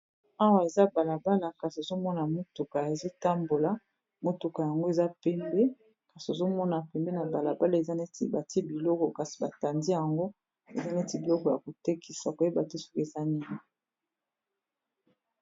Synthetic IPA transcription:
a˦wa˨e˨za˦ba˨la˨ba˦la˨ka˨si˨o˨zo˦mɔ˦na˨mo˦to˨ka˨e˨zo˦ta˦mbo˨la˨ | mo˨to˨ka˨ja˨ŋɡo˦e˨za˦pɛ˦mbe˦ | ka˨si˨o˨zo˦mɔ˦na˨pɛ˨mbe˦na˨ba˨la˨ba˦la˨e˨za˦ne˦tḭ˦˨ba˨ti˦e˦bi˨lɔ˦kɔ˨ka˨si̥˨ba˨ta˨ndi˦ja˨ŋɡo˦ | ḛ˨za˦ne˦ti˨bi˨lɔ˦kɔ˨ja˨ko˨te˦kʰi˨sa˨ko˨je˦ba˨te˦so̥˦ke˨za˦ni˦ŋi˨

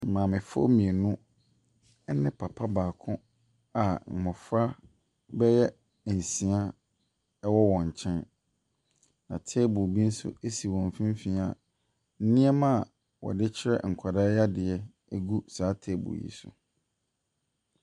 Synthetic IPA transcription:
m̩˨mãː˨mɪ̃˨fo̰˦mĩ˨e˨nũ˦ | ɛ˦nɪ̃˦pʰa˨pʰa˦baː˨kʰʊ̃˦ | a˨m̩˨mʊ̃˨fɾa˦ | bɛ˦jɛ˦˨ | n̩˨sĩ˨a˦ | ɛ˦wɔ˦wɔ̃˨ɲ̩˨t͡ɕʰɛ̃˦n | nã˨tʰe˦bʊ˨bi˦n̩˦sʊ̰˦e˦si˨wɔ̃˨ɱ˨fĩ˦m˦fĩ˨˦a˨ | n̩˦nĩ˦ɛ˦mã˦˨ | wɔ̰˨dɪ˦t͡ɕʰɪ˦ɾɛ̰˦ŋ̩˨kʷʰa˨da˦ja˦dɪ˨ɛ˦ | æ˦˨ɡu˦saː˨˦tʰeː˦bʊ̰˨jḭ˨sʊ̰˨

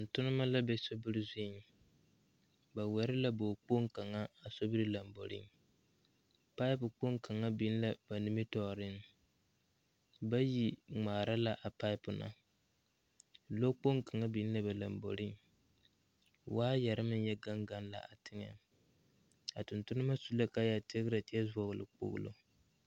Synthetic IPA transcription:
tʊ˨n̩˨tʊ˦nɨ˦ma˦la˦bɛ˦so˦bɨ˦ɾɨ˦ze˦˨ŋ˨ | ba˨wɛ˨ɾɪ˦la˦bo˨k͡po˦ŋ˦ka˨ŋa˦a˨so˦bɨ˦ɾɨ˦la˨mbo̰˨ɾɪ̰˦ŋ˨ | pa˦ɪ˦pʊ˨k͡po˦ŋka˨ŋa˦bi˨˦n̩˦la˦ba˨nɨ˦mi˦tɔː˨ɾɪ˦n˨ | ba˦ji˦ŋ͡maː˨ɾa˦la˨ʔa˨pa˦ɪ˦pʊ˨na̰˨ | lo˦k͡po˦ŋka˨ŋa˦bi˨˦n˦la˦ba˨la˨mbo̰˨ɾi˦ŋ˨ | waː˦jɛ˨ɾɨ˦mɨ˦n˦jɛ˦ɡa˦ŋɡa˦n˦la̰˨ʔa˨tʰɨ˦ŋɛ̰˨ | a̰˨tʊ˨ntʊ˦nɨ˦ma˦su˦la˦ka˦ja˨te˦ɡɨ˦ɾa˨ti˦ɛ˦zɔ˨ɣɨ˨lɨ̰˨k͡po̰˦ɣʊ̰˦lo̰˦

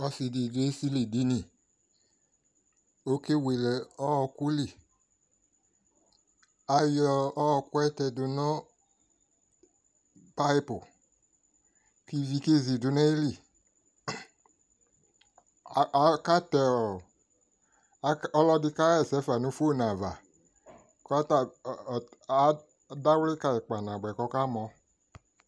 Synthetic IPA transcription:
ɔ˧si˧di˨ɡe˦si˦li˨di˨˦nĩ˨ | o˦ke˦we˨lɛ˨ɔ˦˧ku˦li˦˨ | a˧jɔː˧˦˧ku˦ɛ˦tɛ˧dʊ˨nɔ̃˦ | pa˦i˦pʊ˨ | ki˦vi˧ke˦zi˨du˨nɛ˦i˦li˨˦ | ka˦tɛ˧ɔ˨˦ | ɔ˧˦lɔ˧di˧ka˦ɛ˦˨sɛ˨˦fa˨nũ˨˦fo˦˨nã˨va˨ | kt | a˦ | da˦wle˦ka˧i˨k͡pa˨nã˨ɡ͡bɛ˨kɔ˧˦ka˦mɔ̃˧

